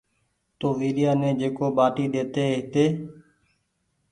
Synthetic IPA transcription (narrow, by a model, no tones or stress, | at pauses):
t̪oːʋiːɾɪjaːnẽːd͡ʒeːkoːɓaːʈiːɗ̪eːt̪eːɦɪt̪eː